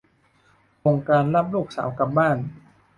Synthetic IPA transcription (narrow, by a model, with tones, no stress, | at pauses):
ʔo˧ŋkaː˧nla˦˥p̚luː˥˩k̚sa̰ː˩˦wka˧˩p̚baː˥˩n